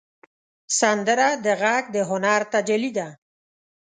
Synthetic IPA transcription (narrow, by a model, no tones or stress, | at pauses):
sand̪ɾad̪eɣak̚d̪eɦonaɾt̪ad͡ʒelid̪a